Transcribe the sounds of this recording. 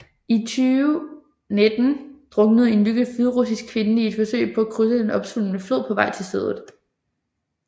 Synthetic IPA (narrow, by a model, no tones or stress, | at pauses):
it͡sʰyː | ned̥n̩d̥ʁɔ̽ɡ̥nəð̞̩ˠe̝nlyɡ̥əfyðˠʁusisɡ̥kʰːʋe̝nie̝d̥fɒ̽sø̰ɪpʰɒ̽ækʰʁys̬əd̥enɒ̽b̥sulənəflo̝ð̰ˠpʰɒ̽ʋɑ̈ɪt͡sʰe̝lseðˠð̩ˠ